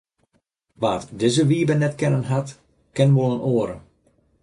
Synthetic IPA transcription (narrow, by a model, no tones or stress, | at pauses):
ʋaːtdɪzəʋiəbənːɛtkɛnənɦat | kɛnəʋolˠənoːəɾə